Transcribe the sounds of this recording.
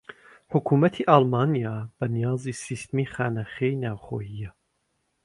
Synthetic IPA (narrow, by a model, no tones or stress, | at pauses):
ħʊkʰuːmɐt̪ʰiːʔɑːlˠmɑːnijɑːb̥ɐnijɑːzisist̪miːxaːnaχejnaːwχo̰ːjijɛ